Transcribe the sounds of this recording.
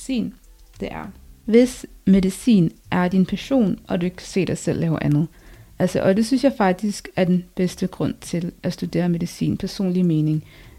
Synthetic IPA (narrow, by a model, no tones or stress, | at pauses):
ḭːn | d̥e̝ʔæɐʋe̝sme̝ðˠisḭːnʔæɐd̥inpʰæɕo̝̰ːnʔɒ̽d̥ue̝ɡ̥kʰæ̥se̝̰ːd̥ɑ̈ɪsel̰lːɛːʊʔænð̩ˠʔælsɒʔɒ̽d̥e̝synsjɑ̈ɪfɑ̈ɡ̥̚d̥isɡ̥æɐd̥enb̥esd̥əɡ̥ʁɔ̽n̰t͡sʰe̝lʔæsd̥ud̥e̝̰ːɐme̝ðˠisḭːnpʰæɐso̝̰ːnlime̝ːne̝ŋ